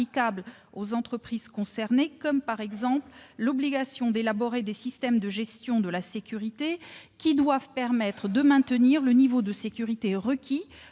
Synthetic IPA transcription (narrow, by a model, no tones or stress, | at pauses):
ikablozɑ̃t̪χəpχiz̥kɔ̃sɛʁnekɔmpaʁɛɡzɑ̃pllɔbliɡasjɔ̃d̪elabɔʁed̪esist̪ɛmd̪əʒɛst̪jɔ̃d̪əlasekʲyʁit̪ekʲid̪wavpɛʁmɛt̪χəd̪əmɛ̃t̪əniʁlənivod̪əsekʲyʁit̪eʁəkʲʰi